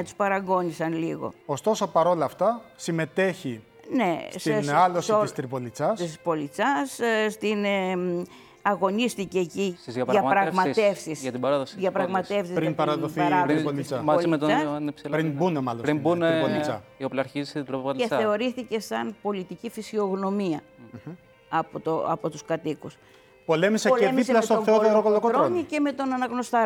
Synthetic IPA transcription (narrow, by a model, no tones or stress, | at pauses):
t̪u̥spɐɾɐɡo̞nisɐnliɣo̞̰ost̪o̞so̞pɐɾo̞lɐːft̪ɐsime̞t̪e̞çi | ne̞st̪inɐlosist̪ɾipolit͡sɐsisspo̞lit͡sɐsst̪in | ɐɣo̞nisθiceːciizɐʝɐpɾɐɣmɐst̪e̞fsisʝɐt̪ibɐɾɐðosiðʝɐpɾɐɣmɐt̪e̞fsizɾinpɐɾɐðoθɐɾɐðoonit͡sɐmɐmet̪oɐnepsilɾinbunemɐloɾimbuneonit͡sɐioplɐɐɾçizisd̪ɾoɐt̪ee̞o̞ɾiθice̞sɐnpo̞lit̪icifisio̞ɣno̞miɐ | ɐpot̪oɐpot̪uskɐt̪ikus | polemiseoleemiselɐt̪oθeot̪oɾokolokoɾoɾnice̞me̞t̪o̞nɐnɐɣnost̪ɐ